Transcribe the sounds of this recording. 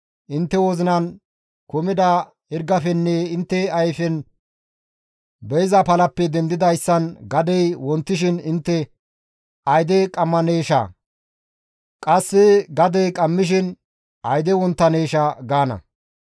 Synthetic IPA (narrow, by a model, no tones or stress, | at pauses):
ʔɪnt̪ːɛwɔzɪnɐn | kʊmɪd̪ɐ | hɪɾɡɐfɛnːɛɪnt̪ːɛɐjfɛn | bɛjzɐpɐlɐpːɛd̪ɛnd̪ɪd̪ɐjsːɐnɡɐd̪ɛjwɔnt̪ːɪʃ̬ɪnɪnt̪ːɛ | ɐjd̪ɛkʼɐmːɐneːʃɐ̰ | kʼɐsːɪɡɐd̪ɛjkʼɐmːɪʃ̬ɪn | ɐjd̪ɛwɔnt̪ːɐneːʃɐɡaːnɐ̰